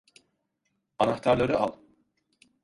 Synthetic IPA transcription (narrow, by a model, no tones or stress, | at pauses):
anaxt̪ʰaɾlˠaɾɯa̰lˠ